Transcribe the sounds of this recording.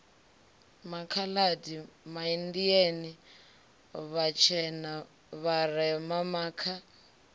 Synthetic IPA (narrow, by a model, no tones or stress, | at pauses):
makʰaladimaindiani | βat͡ʃʰɛna | βarɛmamaːkʰa